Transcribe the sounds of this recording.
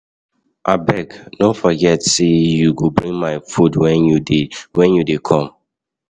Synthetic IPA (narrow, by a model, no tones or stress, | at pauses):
ʔabɛɡnõfɔɡɛtsejuɡobɹĩŋmaɪfudwɛnjudewɛ̃njudekʰɔ̃m